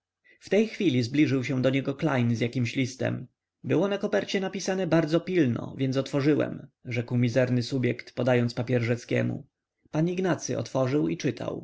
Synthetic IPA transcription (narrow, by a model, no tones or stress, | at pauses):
ft̪ɛjxfʲilʲizblʲiʐɘwɕɛ̃d̪ɔɲɛɡɔklajnzjakʲimɕlʲist̪ɛ̰m | bɘwɔnakɔpɛɾt͡ɕɛnapʲisanɛbaɾd̪zɔpʲilnɔ̰vʲjɛnt̪sɔt̪fɔʐɘwɛ̰mʐɛkwmʲizɛɾnɘsubʲjɛkt̪pɔd̪ajɔnt̪spapʲjɛɾʐɛt̪skʲɛ̰mṵ | paniɡnat̪sɘʔɔ̰t̪fɔʐɘwit͡ʂɘt̪ʰa̰w